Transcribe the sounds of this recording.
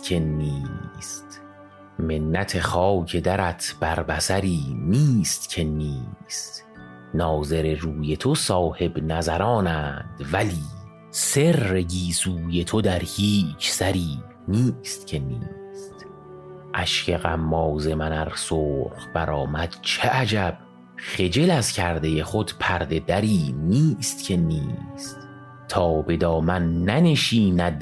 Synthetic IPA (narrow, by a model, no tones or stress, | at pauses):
kʰeniːst̪ | me̞nːæt̪ʰe̞χɒːcʰe̞d̪æɾæt̪ʰb̥æɾbæsæɾiːniːst̪cʰe̞niːst̪ | nɒːze̞ɾeɾuːje̞t̪ʰosɒːhe̞bnæzæɾɒːnæd̪̥væliː | se̞ɾːe̞ɟiːsuːje̞t̪ʰod̪æɾhiːt͡ʃʰsæɾiː | niːst̪̚cʰe̞niːst̪ | ʔæʃcʰeɣæmːɒːze̞mænæɾsoːɾχbæɾɒːmæd̪̥t͡ʃʰe̞ʔæd͡ʒæb̥̚ | χe̞d͡ʒe̞læzcʰæɾd̪e̞jeχod̪pʰæɾd̪e̞d̪æɾiːniːst̪cʰe̞niːst̪ | t̪ʰɒːbe̞d̪ɒːmænːæne̞ʃiːnæd̪